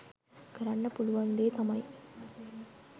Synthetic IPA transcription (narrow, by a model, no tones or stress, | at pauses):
kɐɾɐɳːɐpʊlʊʋɐnd̪eːt̪ɐmɐj